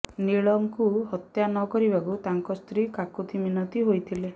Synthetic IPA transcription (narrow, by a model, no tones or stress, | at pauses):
niɭɔmkuhɔt̪janɔkɔɾibakut̪aŋkɔst̪ɾikakut̪ʰiminɔt̪iɦojt̪ʰile